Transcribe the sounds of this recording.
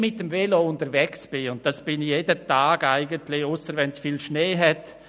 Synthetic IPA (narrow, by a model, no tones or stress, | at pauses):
mɪt̚dəmvɛloʊntəɾvɛksb̥ɪʊnt̚d̥asb̥ɪnjeːdətaːɡaɪɡəntlɪʊsəɾvɛnsfiːlʃneːɦɛt